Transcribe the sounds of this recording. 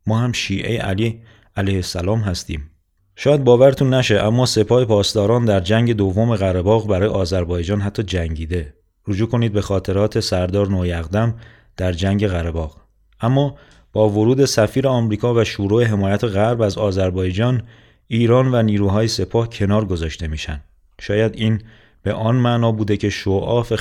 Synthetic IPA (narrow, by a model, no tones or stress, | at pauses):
mɒːhæmʃiːʔḛjḛʔæliː | ælejhesælɒːmɦæst̪ḭːm | ʃɒːjæd̪̚bɒːvæɾet̪ʰunːæʃe̞ʔæmːɒːse̞pʰɒːhe̞pʰɒːst̪ɒːɾɒːnd̪æɾd͡ʒæŋɟe̞d̪ovːome̞ɣæɾebɒːɣbæɾɒːjeɒːzæɾbɒːjed͡ʒɒːnɦæt̪ʰːɒːd͡ʒæŋɟiːd̪e̞ | rod͡ʒuːkʰo̞niːd̪̚be̞xɒːt̪ʰe̞ɾɒːt̪ʰe̞sæɾd̪ɒːɾnoːjæɣd̪æm | d̪̥æɾd͡ʒæŋɟe̞ɣæɾebɒːɣ | ʔæmːɒː | b̥ɒːvoɾuːd̪e̞sæfiːɾeɒmɾiːkʰɒːvæʃuːɾoːeɦe̞mɒːjæt̪ʰeɣæɾbæzɒːzæɾbɒːjed͡ʒɒːn | iːɾɒːnvæniːɾuːɦɒːje̞se̞pʰɒːhcʰe̞nɒːɾɡo̞zɒːʃt̪e̞miːʃæ̰nd̪ | ʃɒːjæd̪iːn | b̥e̞ʔɒːnmænɒːbuːd̪e̞cʰe̞ʃoʔɒːfe